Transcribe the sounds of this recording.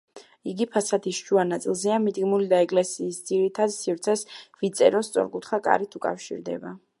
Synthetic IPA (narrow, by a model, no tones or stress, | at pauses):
iɡipʰasat̪ʰisʃuanat̪sʼilˠzɛamid̪ɡmulid̪aɛkʼlɛsiːsd̪z̥iɾit̪ʰad̪sivɾt̪sʰɛsvit̪sʼɛɾɔst̪sʼɔ̰ɾkʼut̪ʰχakʼa̰ɾit̪ʰukʼa̰fʃḭɾd̪ɛ̰ba